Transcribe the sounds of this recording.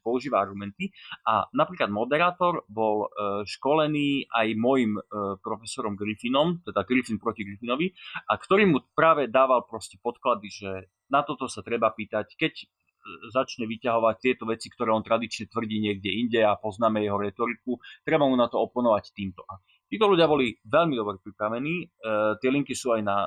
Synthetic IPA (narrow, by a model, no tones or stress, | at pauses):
pɔuʒiːʋaaɾɡumɛnt̪iʔanapɾiːklad̪mɔd̪ɛɾaːt̪ɔɾbɔlʃkɔlɛniːajmɔjimpɾɔfɛsɔɾɔmɡɾifinɔmt̪ɛd̪aɡɾifinpɾɔciɡɾifinɔʋiʔakt̪ɔɾiːmupɾaːʋɛd̪aːʋalpɾɔscɛpɔt̪klad̪iʒɛ | nat̪ɔt̪ɔsat̪ɾɛbapiːt̪ackɛc | zat͡ʃɲɛʋicaɦɔʋac̚t̪ɪɛt̪ɔʋɛt͡sikt̪ɔɾɛːɔnt̪ɾad̪it͡ʃɲɛt̪ʋr̩ɟiːɲɪɛɡɟɛiɲɟɛapɔznaːmɛjɛɦɔɾɛt̪ɔɾikut̪ɾɛbamunat̪ɔɔpɔnɔʋact̪iːmt̪ɔʔa | t̪iːt̪ɔluɟɪabɔliʋɛʎmid̪ɔbɾɛpɾipɾaʋɛniːt̪ɪɛliŋkisuːajna